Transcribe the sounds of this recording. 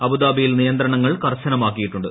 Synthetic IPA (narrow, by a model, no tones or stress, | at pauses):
ɐbud̪aːbijilnijɐnd̪ɾɐɳɐŋːɐɭkɐrɕɐnɐmaːkːijiʈːuɳɖɨ